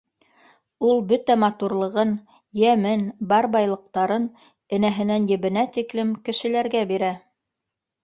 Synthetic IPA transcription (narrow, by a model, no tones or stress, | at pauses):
ulˠbɵt̪æmɑt̪uɾlˠɤ̆ʁɤn | jæmɘnbɑɾbɑjlˠɤ̆q̚t̪ɑɾɤn | ɘ̆næɦɘ̆nænjɘ̆βɘ̆næt̪iklɘmkɘ̆ʃɘ̆læɾɡæbiɾæ